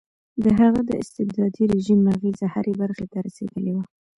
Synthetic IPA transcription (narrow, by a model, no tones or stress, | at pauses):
d̪əɦaɣad̪əɪst̪ɪbd̪ɑd̪iɾɪʒimːaɣizahaɾebaɾxet̪aɾasḛd̪əlewa